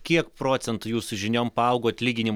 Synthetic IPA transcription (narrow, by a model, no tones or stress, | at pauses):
kʲiɛkpɾoːt̪sʲɛnt̪ʊjuːsʊʒʲɪnʲoːmpɐɐʊɡoːt̪ʲlʲiːɡʲɪnʲɪm